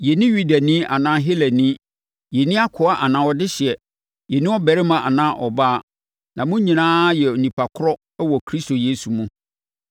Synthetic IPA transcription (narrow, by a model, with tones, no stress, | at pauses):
jɛ˨nɪ̃˦ɥu˦dæ˨nĩ˦ʔa̰˨nãː˦ɦe˦lɛ˨nĩ˦ | jɛ˨nĩ˦a˦kʰʊ˨a˦ʔa˨nã˨˦wɔ˦dɪ˦ɕɪ˨ɛ˨ | jɛ˨nĩ˦ɔ˦bæ˨ɾɪ˦mã˨ʔa̰˨nãː˦ʔɔ˨ba˦˨ | nã˨mʊ̃˦ɲĩ˨nãː˦jɛ˨o˨nĩ˨pʰa˨kʰʊ˦ɾɔ˦ | wɔ˨kʰɾi˦sto˨je˦su˨mũ˦